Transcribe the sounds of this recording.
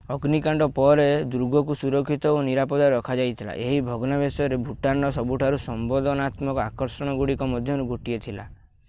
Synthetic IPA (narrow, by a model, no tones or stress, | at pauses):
ɔɡnikaɳɖɔpɔɾed̪uɾuɡɔkusuɾɔkʰːit̪ɔoniɾapɔd̪aɾɔkʰad͡ʒajt̪ʰila̰ʔeɦibʱɔɡɔnabesɔɾebʱuʈanɔsɔbuʈʰaɾusɔmbɔd̪ɔnat̪mɔkɔakɔɾsɔɽ̃ɔɡuɽikɔmɔd̪ʱjɔɾuɡoʈijet̪ʰila̰